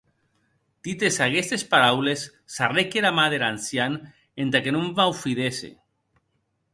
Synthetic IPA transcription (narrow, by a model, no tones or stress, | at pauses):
d̪̥it̪esakest̪espaɾawlesː | arekeɾamað̞eɾansjan | ent̪akenumvawfiðesḛ